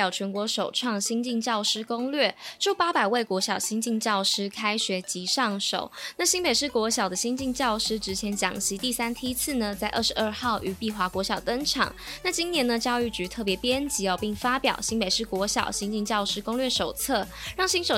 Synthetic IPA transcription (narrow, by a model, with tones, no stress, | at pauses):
jɑ˨˩ʊt͡ɕʰɥɛ˧˥nkwɔ˧˥ʂo˨˩ʊʈ͡ʂʰwɑ˥˩ŋɕi˥ŋt͡ɕi˥˧ŋt͡ɕjɑ˥˩ʊʂɻ̩˥kʊ˥ŋlɥɛ˥˩ʈ͡ʂu˥˩pa˥pa˨˩ɪwe˥˩ɪkwɔ˧˥ɕjɑ˨˩ʊɕi˥ŋnt͡ɕi˥˧ŋt͡ɕjɑ˥˩ʊʂɻ̩˥kʰa˥ɪɕɥɛ˧˥t͡ɕi˧˥ʂɑ˥˩ŋʂo̰˨˩˦ʊna˥˩ɕi˥ŋpe˨˩ɪʂɻ̩˥˩kwɔ˧˥ɕ̬jɑ˨˩d̪ə˦ɕi˥ŋt͡ɕi˥˧ŋt͡ɕjɑ˥˩ʊʂɻ̩˥ʈ͡ʂɻ̩˧˥t͡ɕʰjɛ˧˥nt͡ɕjɑ̰˨˩ŋɕi˧˥t̪i˥˩sa˥nt̪ʰi˥t͡sʰɹ̩˥˩nə˩t͡sa˥˧ɪʔə˥˩ʂɻ̩˧˥ə˞˥˧xɑ˥˩ʊʔy˧˥pi˥˧xwa˧˥kwɔ˧˥ɕjɑ˨˩ʊt̪ɤ˥ŋʈ͡ʂʰɑ̰˨˩˦ŋna˥˩t͡ɕi˥ŋnjɛ˧˥nə˧t͡ɕjɑ˥˧ʊy˥˩t͡ɕy˧˥t̪ʰɤ˥˩pjɛ˧˥pjɛ˥nt͡ɕi˧˥ɔ˥˧pi˥˩ŋfa˥pjɑ̰˨˩ʊɕi˥ŋpe˨˩ɪʂɻ̩˥˩kwɔ˧˥ɕjɑ̰˨˩ʊɕi˥ŋt͡ɕi˥˧ŋt͡ɕjɑ˥˩ʊʂɻ̩˥kʊ˥ŋlɥɛ˥˩ʂo˨˩ʊt͡sʰɤ˥˩ɻɑ˥˩ŋɕi˥ŋʂo˨˩